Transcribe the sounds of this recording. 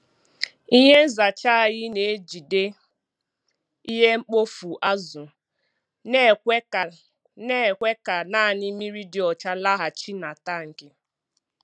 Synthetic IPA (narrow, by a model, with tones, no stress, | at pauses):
i˦ɦe˦n̩˦za˨t͡ʃa˦a˨ɣɪ˦ne˨e˦d͡ʒi˨de˦ | i˦ɦe˦ŋ͡m̩˦k͡po˦fu˨ʔa˦zʊ˨ | ne˦˨kʷe˦ka˨ | ne˦˨kʷe˦ka˨na˦a˨nɪ˦mi˦ɾi˦dɪ˨ɔ˨t͡ʃa˦la˦ɦa˨t͡ʃi˦na˨ta˦˨ŋ̩˨kɪ˦